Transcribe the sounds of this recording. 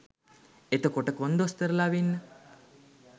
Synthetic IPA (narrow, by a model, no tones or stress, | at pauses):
et̪əkoʈəkond̪ost̪əɾəlaʋinːə